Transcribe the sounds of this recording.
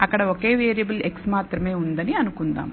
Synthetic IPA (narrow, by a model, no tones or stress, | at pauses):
ɐkːɐɽeokːeːʋeːɾijɐbɐleksmaːt̪rɐmeːund̪ɐneɐnukːund̪a̰ːm